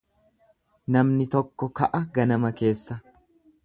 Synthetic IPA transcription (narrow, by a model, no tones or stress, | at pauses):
nɐmnɪt̪ɔkːɔkɐʔɐɡɐnɐmɐke̞ːsːɐ